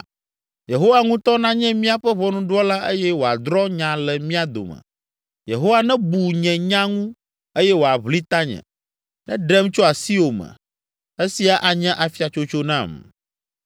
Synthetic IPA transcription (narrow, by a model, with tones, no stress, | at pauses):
je˨ɦo˦wa˨ŋũ˦t̪ɔ˦nã˦ɲɛ̃˦mĩ˦a˨ɸɛ˦βɔ˦nũ˦ɖu˦ɔ˦la˦e˦jɛ˦wo˨a̰˨d̪ɾɔ˦ɲã˨lɛ˨mĩ˦a˨d̪o̰˨mɛ̰̃˨ | jḛ˨ɦo˦wa˦nɛ̃˦bu˨ɲɛ̃˨ɲã˦ŋũ˦ | e˦jɛ˦wo˨a˨βli˦t̪a˦ɲɛ̰̃˨ | nɛ̰̃˦ɖɛ˦mt͡ʃo˦a˨si˦o˨mɛ̰̃˨ | e˦si˦a˨ʔa˨ɲɛ̃˦ʔa˨fi˦a˨t͡ʃo˦t͡ʃo˦nã̰˦˨m